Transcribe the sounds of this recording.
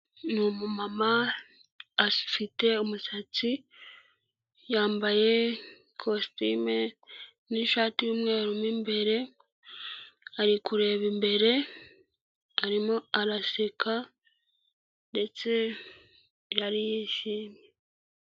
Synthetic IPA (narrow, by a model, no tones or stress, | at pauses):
numumamaː | fite̞umusat͡si | jaːmbaje̞ | kʰostime | niʃaːtijuːmŋe̞ːɾumimbe̞ɾe̞ | aɾikuɾe̞βimbe̞ɾe̞ | aɾimoaɾasekʰa | nde̞t͡se̞ | ɾaɾijiːʃiːmje